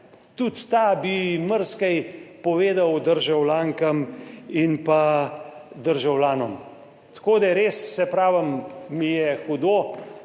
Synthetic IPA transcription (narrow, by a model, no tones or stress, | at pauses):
t̪ut̪ːabiməɾskajpɔʋeːd̪ɐwd̪əɾʒawlaːŋkɐminpa | d̪əɾʒawlaːnɔm | t̪ḁkoːd̪ajɛɾeːsːɛpɾaːʋɐmːijɛxud̪oː